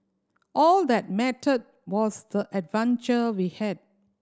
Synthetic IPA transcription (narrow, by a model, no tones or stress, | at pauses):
ʔɔldɛt̚mɛtəd̚wɔsdəʔɛdvãnt͡ʃəwihɛd̚